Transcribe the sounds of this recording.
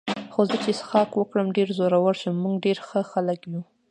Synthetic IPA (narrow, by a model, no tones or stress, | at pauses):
xozət͡ʃesxɑkwəkɽəmɖeɾzoɾawəɽʃəmːuɡɖeɾxəxaləkju